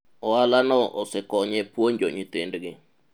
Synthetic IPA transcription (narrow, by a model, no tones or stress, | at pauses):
ɔalanɔʔɔsɛkɔɲɛpwoɲd͡ʒoɲit̪endɡɪ